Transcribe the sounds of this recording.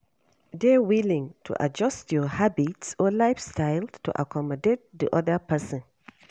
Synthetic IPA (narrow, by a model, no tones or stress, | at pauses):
dɛwilĩŋtʰṵʔa̰d͡ʒɔstjɔhabitsɔlaɪfstʰaɪlstṵʔa̰kʰɔmɔdet̚d̪ḭʔɔðəpɛsɔ̃n